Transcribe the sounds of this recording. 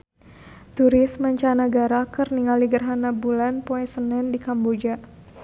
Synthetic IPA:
t̪uɾɪsməɲt͡ʃanaɡaɾakərniŋaliɡərɦanabulanpoɛsənɛndikambod͡ʒa

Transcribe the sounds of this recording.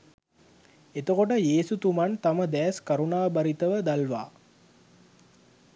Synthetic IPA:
et̪əkoʈ̬əjeːsut̪umant̪aməd̪ɛːskaɾunaːbaɾit̪əʋəd̪alʋa̰ː

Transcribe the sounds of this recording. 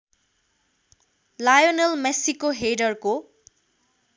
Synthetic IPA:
lajonelmɛsikoɦejdaɹko

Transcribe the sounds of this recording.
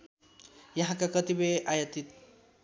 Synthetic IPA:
jaɦãkakʌt̪ibeajət̪it̪

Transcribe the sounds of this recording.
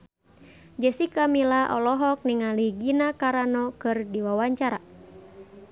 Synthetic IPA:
d͡ʒəsikamilaʔɔ̰lɔɦɔk̚niŋaliɡinakaɾanɔkɨrdiwawaɲt͡ʃaɾa

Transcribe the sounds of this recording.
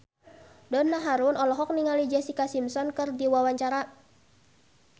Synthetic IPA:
dɔnːaɦaɾunɔlɔɦɔk̚niŋalid͡ʒɛsikasimsɔnkɨrdiwawaɲt͡ʃaɾa

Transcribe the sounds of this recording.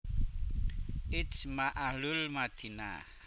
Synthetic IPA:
it͡smaʔalulmat̪ʰina̰

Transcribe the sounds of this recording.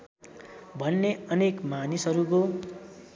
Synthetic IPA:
bʱʌnːeʌnekmanisʌɾuko

